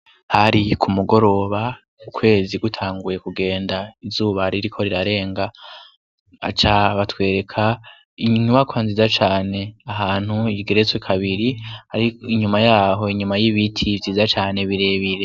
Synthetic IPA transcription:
haɾikʰumuɡo̞ɾo̞ːβa | ukʰwe̞ːziɡutʰaːŋɡuje̞kuɡe̞ːndaizuːβaɾiɾikʰo̞ɾiɾaɾe̞ːŋɡa | a̰t͡ʃaβatwe̞ːɾe̞kʰa | iɲɲuβakwanziːzat͡ʃaːne̞aɦaːn̥huiɡe̞ɾet͡swekʰaβiɾihaɾiiɲumajaːɦo̞iɲumajiβitʰivziːzat͡ʃaːne̞βiɾe̞βiɾe̞

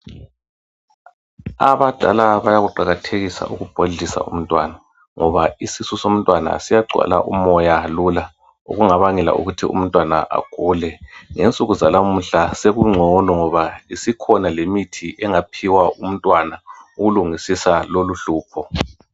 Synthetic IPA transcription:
aβad̥ʱalaβajaɣuǃaɣatʰeɣisa̰ʔuɣub̥ʱoɮisa̰ṵm̩tʼwana | ŋɔβaisisusom̩tʼwana̰sijaɡ͡ǀʱwa̰la̰ʔumɔjalula | ṵɣuŋaβaŋɛla̰ʔṵɣutʰiṵm̩tʼwana̰ʔa̰ɡ̥ʱulɛŋent͡sʼuɣuzalamuɬaseɣuŋ͡ǀʱɔnɔŋɔβaisikʰɔnalemitʰiʔɛŋapʰiwaʔum̩tʼwanauɣuluŋisisaloluɬuːpʰɔ

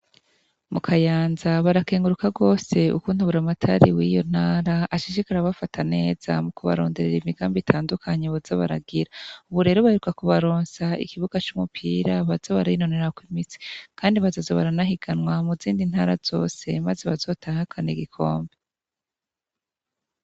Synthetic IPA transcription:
mukʰajaːnzaβaɾake̞ːŋɡuɾukaɡo̞ːse̞ṵkuːn̥huβuɾamatʰaɾiwiːjo̞̰n̥haːɾaaʃiʃikaɾaβafatʰane̞ːz̥amukuβa̰ɾo̞̰ːnde̞ɾe̞ɾimiɡaːmbitʰaːndukʰaɲe̞βuz̥aβa̰ɾaɡiɾauβuɾe̞ɾoβaheɾukakuβaɾoːnsaḭkiβuɡat͡ʃumupʰiːɾaβazaβaɾaino̞ne̞ɾakwimit͡si̥kʰaːndiβazazoβaɾanahiɡanwamuziːndin̥haːɾaz̥o̞ːse̞mazeβazo̞ːtʰaːŋakʰaneɡikʰo̞ːmbe

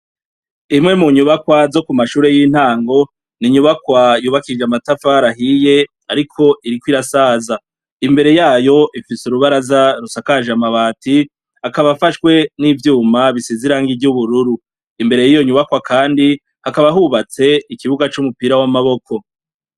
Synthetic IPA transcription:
imŋe̞muɲuβakwazo̞kumaʃuːɾe̞jiːn̥haːŋɡo̞ | niɲuβakwajuːβakid͡ʒeamatafaːɾaɦije̞ | aɾikʰo̞ʔiɾikwiɾasaːza | imbe̞ɾe̞jaːjo̞ʔifisuɾuβaɾazaɾusakaʒamaβaːti | akaβafaʃkwe̞nivjuːmaβisiziɾaːŋɡiɟuβuɾuɾu | imbe̞ɾe̞jijo̞ɲuβakwakʰaːndi | hakaβaɦuβat͡se̞ikiβuɡat͡ʃumupiːɾawamaβo̞kʰo̞

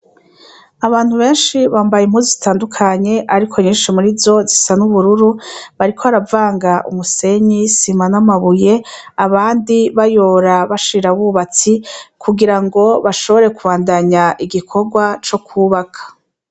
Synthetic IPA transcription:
aβaːn̥huβe̞ːnʃiβaːmbajemhuːzizitaːndukʰaɲe̞ʔaɾikʰo̞ɲiːnʃimuɾizo̞zisanuβuɾuɾuβaɾikʰoaɾavaːŋɡaʔṵmuse̞ɲisimanamaβuje̞aβaːndiβajo̞ːɾaβaʃiɾaβuːβat͡sikʰuɡiɾaŋɡo̞βaʃo̞βo̞ɾe̞kuβaːndaɲaʔiɡikʰo̞ɡwat͡ʃo̞kʰuːβakʰḁ

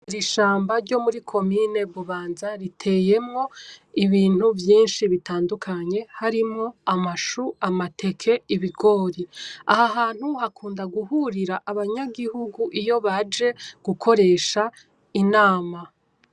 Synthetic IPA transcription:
uɾiʃaːmbaɾɟo̞muɾikʰo̞mine̞βuβaːnzaɾitʰe̞ːje̞mŋo̞iβiːn̥huvjiːnʃiβitaːndukʰaɲe̞haɾimŋo̞amaʃuamatʰe̞kʰe̞iβiɡo̞ːɾia̰haɦaːn̥huhakʰuːndaɡuhuɾiɾaʔːβaɲaɡihuɡuʔijo̞βad͡ʒe̞ɡ̥ukʰo̞ɾe̞ːʃa | inaːma

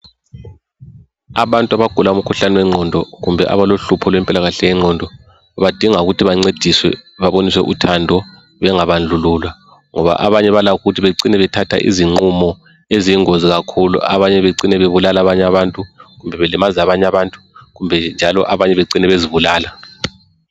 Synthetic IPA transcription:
aβantʼwaβaɡ̥ʱulaum̩kʰuɬanɛwɛŋ͡ǀʱɔndʱɔɣumbʱɛʔa̰βaloɬupʰɔlwɛmpʼilaɣaɬɛjɛŋ͡ǀʱɔndʱɔ | βad̥ʱiŋauɣutʰiβaŋ͡ǀed̥ʱiswɛ̰βaβonis̬wɛ̰ʔṵtʰandʱɔ | βɛŋaβand͡ɮʱuluːlwa | ŋɔβa̰ʔaβaɲɛβalaɣuɣutʰiβeǀinɛβɛtʰatʰa̰ʔḭziŋ͡ǀumɔ | eziiŋoziɣakʰulṵa̰βaɲɛβeǀinɛβeβulalaβaɲaβantʼuɣumbʱɛβɛlɛmazaβaɲaβantʼu̥ɣumbʱɛnd͡ʒʱalɔ̰ʔaβaɲɛβeǀinɛβeziβulaːla

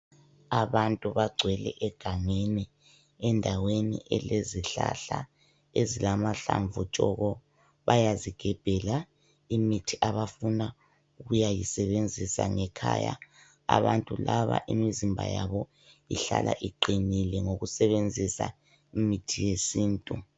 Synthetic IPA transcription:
aβantʼuβaɡ͡ǀʱwɛlɛʔɛɡ̥ʱaŋeni | ɛndʱawenḭʔɛleziɬaɬa | ezilamaɬaɱvut͡ʃʼɔɣɔ | βajaziɡ̥ʱɛb̥ʱɛla | imitʰiʔaβafuna | uɣujajisɛβend͡zʱisaŋɛkʰaja̰ | aβantʼulaβa̰ʔimizimbʱa̰jaβɔ | ḭɬa̰lʔa̰ʔiǃinilɛŋoɣusɛβend͡zʱisa̰ | imitʰijesiːntʼu

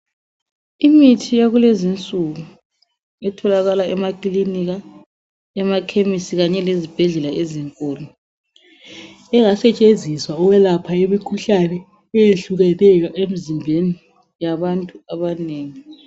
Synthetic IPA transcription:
imitʰijaɣulezint͡sʼuɣu | ɛtʰɔlaɣalaɛmakʼliniɣa | ɛmakʰemisiɣaɲɛlezib̥ʱɛɮɛlaʔeziŋkʼoːlɔ | ɛŋasɛt͡ʃʼend͡zʱiswaɔwɛlapʰaemikʰuɬanɛ | ɛjeɬuɣɛlɛjɔʔemizimbʱeni | jaβantʼuaβaneːŋi

